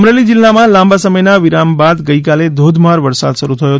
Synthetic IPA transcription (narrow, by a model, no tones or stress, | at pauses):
mɾelid͡ʒilːamãlãmbasəməjnaʋiɾambad̪ɡəikaled̪ʱod̪ʱmaɾʋəɾsa̰d̪ʃəɾut̪ʰəjo